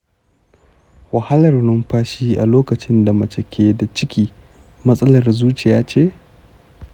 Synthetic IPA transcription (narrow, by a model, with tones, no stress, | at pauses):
wɐ˨hɐ˦lɐ˨rnʊ˦mɸaː˦ʃiː˦ʔa̰˨loː˦kɐ˨t͡ʃɪ˦nda˨mɐ˨t͡ʃɛ˨kʲʰeː˦da˨t͡ʃɪ˦kʲiː˦ | mɐ˦sʼɐ˦lɐ˨rzuː˦t͡ʃɪ˨jaː˦t͡ʃeː˦˨